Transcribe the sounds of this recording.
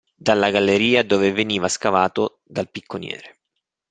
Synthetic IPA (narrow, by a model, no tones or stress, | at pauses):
d̪alːaɡalːeɾiːad̪oːveveniːvaskavaːt̪o | d̪alpikʰːonjɛ̰ːɾe